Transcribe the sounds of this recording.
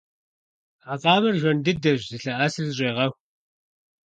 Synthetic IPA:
aːqʼɑːmɨrʒʷɔndɨdɐʒzɨɬɐʔɐsɨrzɕʷʼeːʁɐxʷ

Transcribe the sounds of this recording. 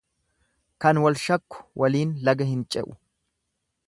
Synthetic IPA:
kɐnwɐlʃɐkːʊ̥wʔɐliːnlɐɡɐhɪnt͡ʃʼɛʔʊ̥

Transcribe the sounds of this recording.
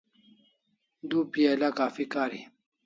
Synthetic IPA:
d̪upialakaːfikaːɾi

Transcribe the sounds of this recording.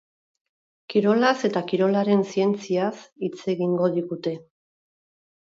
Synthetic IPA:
kiɾo̞lase̞t̪akiɾo̞laɾe̞nsie̞nt͡siasit͡se̞ɣiŋɡo̞ð̞iɣut̪e̞

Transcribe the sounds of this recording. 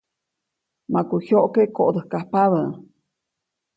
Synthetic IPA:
makuçjoʔkekoʔd̪əhkahpaβə

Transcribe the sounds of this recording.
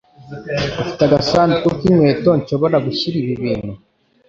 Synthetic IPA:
ɡufi̥taɡasaːntikokimwe̞ːto̞ɲʃo̞βo̞ɾaɡuçiɾiβiβiːnhu

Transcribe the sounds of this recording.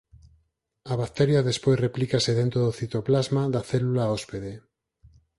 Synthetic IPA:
aβakt̪eɾjaðespojzreplikaseðent̪ɾoðoθit̪oplazmaðaθelulaospeðe

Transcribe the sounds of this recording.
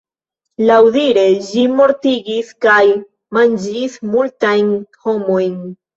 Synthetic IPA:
lawdiɾe̞ʒimo̞ɾtiɡiskaj | mand͡ʒismultajnho̞mo̞jn

